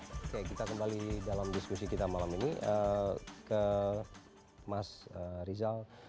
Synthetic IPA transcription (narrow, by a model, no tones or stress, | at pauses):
kajakit̪akəmbalidalamdiskusikit̪amalaminiʔəkə | masərizal